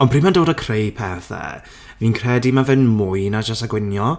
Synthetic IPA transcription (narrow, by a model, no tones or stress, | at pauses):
ɔnpʰriːmandoːdəkʰrejpʰɛθɛ̰ | viːnkʰr̥ɛdimavɨnmʊɨnad͡ʒasaɡwɪnjɔ